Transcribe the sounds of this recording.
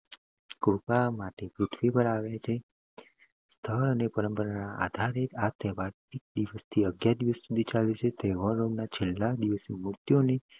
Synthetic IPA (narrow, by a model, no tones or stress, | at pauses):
kupamaʈepɾut̪ʰʋipəɾaʋjat͡ʃʰe | st̪ʰəɾənepəɾəmpəɾanaʔa̰d̪ʱaɾet̪at̪ɛʋaɾ | ek̚d̪iʋəst̪ʰiəɡjad̪iʋəsːud̪ʱit͡ʃalet͡ʃʰet̪eʋəɾonat͡ʃʰelːad̪iʋəsemʊɾt̪jone